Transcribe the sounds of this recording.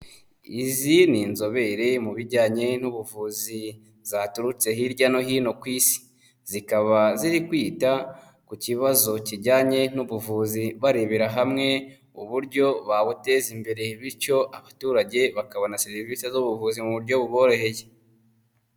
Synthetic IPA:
izininzo̞βe̞ɾemuβiɾɟaːɲe̞nuβuvuːzi | zaːtuɾut͡se̞ɦiɾɟano̞ɦiːno̞kwiːsi̥ | z̥ikaβaziɾikwiːta | kuciβazo̞ciɟaːɲe̞n̥uβuvuːziβaɾeβeɾaɦamŋe̞ | uβuɾɟo̞βaβute̞ːzimbe̞ɾe̞βiɾco̞ʔaβatuːɾaɟe̞βakaβanaseɾivisezoβuvuːzimuβuɾɟo̞βuβo̞ːɾo̞he̞je

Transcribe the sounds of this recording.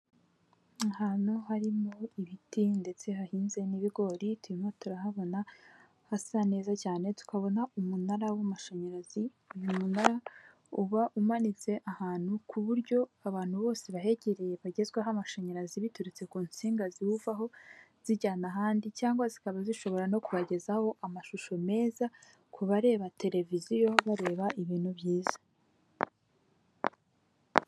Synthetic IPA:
ahaːnhuhaɾimo̞iβitinde̞t͡se̞ɦahiːnze̞niβiɡo̞ɾituimotuɾahaβo̞na | hasane̞ːzacaːne̞tu̥kaβo̞naumunaɾawamaʃoɲaɾazi | ujumunaɾa | uβaʔumanit͡se̞ʔahaːn̥hukʰuβuɾɟo̞aβaːn̥huβo̞ːse̞βaɦe̞ɟe̞ɾe̞je̞βaɟe̞zɡweɦamaʃeɲaɾaziβituɾit͡se̞kuːnt͡siːŋɡaziwuvaɦo̞ | z̥iɟaːnaɦaːndicaːŋɡwazikaβaziʃo̞βo̞ɾano̞kuβaɟe̞zaho̞ʔamaʃuʃo̞me̞ːza | kʰuβaɾe̞ːβate̞ɾe̞vizijo̞βaɾe̞ːβaʔiβiːn̥huβjiːzḁ

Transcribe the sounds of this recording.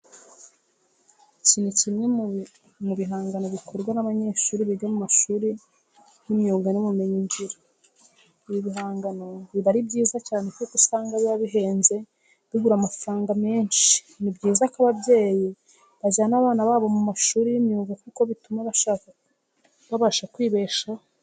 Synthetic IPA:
cinucimɲe | muβiɦaːŋɡano̞βikʰo̞ɾɡwanaβaɲe̞ʃuːɾiβiɟamumaʃuːɾi | jimɲuːŋɡanomume̞ɲiɲʒiɾa | iβiβiɦaːŋɡano̞βiβaɾib̚ɟiːzacaːnekukusaːŋɡaβijaβiɦe̞ːnze̞ | βiɡuɾamafɾaːŋɡame̞ːnʃi̥ | nibɟiːzakaβabɟe̞ːji | βazanaβaːnaβaːβo̞mumaʃuːɾijimɲuːŋɡakuko̞βitumaβaʃaːka | βaβaʃakwiːβeʃa

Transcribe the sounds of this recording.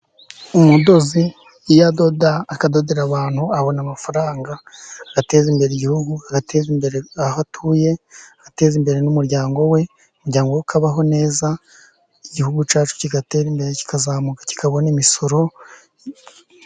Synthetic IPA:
umudo̞zi | jado̞daːkado̞de̞ɾaβaːn̥huaβo̞namafaɾaːŋɡaːɡ̥ate̞ːzimbe̞ɾeiɟihuɡuaɡatʰe̞zimbe̞ɾeahatʰuːje̞ate̞ːzimbe̞ɾe̞numuɾɟaːŋɡo̞we̞ | umuɾɟaːŋɡowukʰaβaɦo̞ne̞ːza | iɟihuɡut͡ʃaːt͡ʃu̥ciɡate̞ːɾimbe̞ɾeci̥kazaːmukḁci̥kʰaβo̞nimiso̞ɾo̞

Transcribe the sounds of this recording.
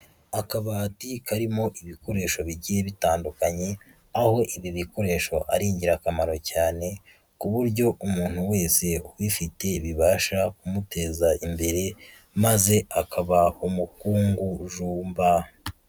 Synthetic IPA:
akaβaːtikaɾimo̞ʔiβiko̞ɾe̞ːʃo̞βiɟije̞βitaːndukaɲe̞ | aho̞ʔiβiβiko̞ɾe̞ːʃo̞ʔaɾiːɲɟiɾakamaɾo̞caːne̞ | kuβuɾɟo̞ʔumuːn̥huwe̞ːse̞uβifite̞iβiβaːʃakumutʰe̞ːzaimbe̞ɾe̞ | maze̞akʰaβaumukuːŋɡuʒuːmba

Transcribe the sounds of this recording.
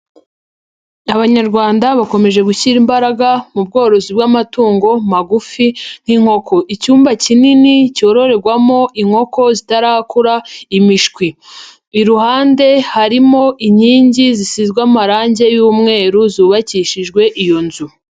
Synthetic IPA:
aβaɲaɾɡwaːndaβako̞me̞ʒe̞ɡuçiɾimbaɾaɡamub̚ɡo̞ːɾo̞zibɡamatuːŋɡo̞maɡufin̥hiŋ̥ho̞kʰo̞ʔicuːmbacininico̞ːɾo̞ɾe̞ɡwamo̞ʔiŋ̥ho̞ko̞zitaɾaːhakuɾaimiʃkwiː | ɾuhaːnde̞haɾimo̞ʔiɲiːɲɟizisizɡwamaɾaːɲɟe̞juːmŋe̞ːɾuzuːβaciʃiʒɡwe̞ʔijo̞nzu

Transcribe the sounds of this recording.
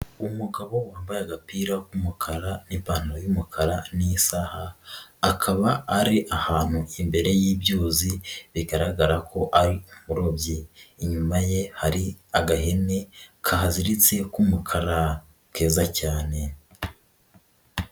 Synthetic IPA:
umuɡaβo̞waːmbajaɡapiːɾakumukʰaɾanipaːn̥ojumukʰaɾanisahaː | kʰaβaːɾiʔahaːn̥huʔimbe̞ɾe̞jiːbɟuːziβiɡaɾaɡaɾakʰo̞ʔaɾiumuɾo̞bjeiɲumaje̞haɾiaɡaɦe̞ne̞kʰaɦaziɾit͡se̞kumukʰaɾḁ | ke̞ːzacaːne̞

